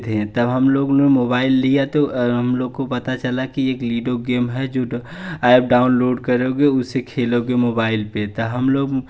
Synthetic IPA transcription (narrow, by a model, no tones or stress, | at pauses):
d̪ɦẽt̪ɐbɦɐmloːɡʊnemoːbaːɪlːijat̪oɦɐmloːɡ̚kopɐt̪at͡ʃɐlakieːkliːɖoɡeːmɦɛd͡ʒoːaːɪb̚ɖaːʊnloːɖkɐɾeɡeʊsekʰeːloɡemoːbaːɪlpet̪ɐɦɐmloːɡ